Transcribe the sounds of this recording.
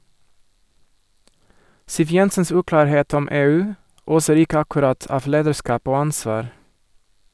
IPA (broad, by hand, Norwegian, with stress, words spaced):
ˈsiːʋ ˈjɛnsəns ˈʉːklɑːɾˌheːt ˈɔm ˈeːˌʉː ˈoːsəɾ ˈɪkə ɑkʉˈɾɑt ˈɑːʋ ˈleːdəˌʃkɑːp ˈoː ˈɑnsʋɑːɾ